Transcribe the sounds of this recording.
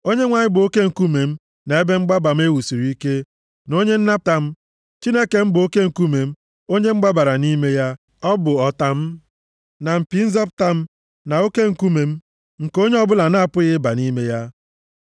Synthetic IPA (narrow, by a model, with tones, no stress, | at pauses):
o˦ɲe˦ŋʷa˨ɲɪ˦bʊ˨o˦ke˦ŋ̩˨ku˦me˨m̩˦ | na˨e˦be˦ŋ͡m̩˦ɡ͡ba˦ba˨m̩˦e˦wu˨si˨ɾi˨˦i˦ke˦ | no˦ɲe˦n̩˦na˦p̚ta˦m̩˦ | t͡ʃi˦ne˦ke˨m̩˦bʊ˨o˦ke˦ŋ̩˨ku˦me˨m̩˦ | o˦ɲe˦ŋ͡m̩˦ɡ͡ba˦ba˨ɾa˨ni˦me˦ja˦ | ɔ˦bʊ˨ɔ˨ta˦m̩˦ | na˨m̩˨pi˨˦n̩˦zɔ˦p̚ta˦m̩˦ | na˨o˦ke˦ŋ̩˨ku˦me˨m̩˦ | ŋ̩˨ko˦ɲe˦ɔ˦bʊ˦la˨na˦a˦˨pʊ˦ɣɪ˦ba˨ni˦me˦ja˦